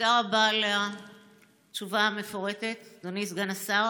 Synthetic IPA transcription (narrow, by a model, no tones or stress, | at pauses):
ɡaʁabalea | t͡ʃuvame̞fo̞ʁetetdonisɡanasaʁ